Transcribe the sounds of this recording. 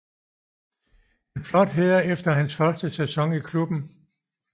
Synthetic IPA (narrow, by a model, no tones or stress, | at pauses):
e̝nflɒ̽d̥ɦeð̰ˠɐefd̥ɐɦænsfɶɐsd̥əsʰæsʰɒ̽ŋikʰlub̥n̩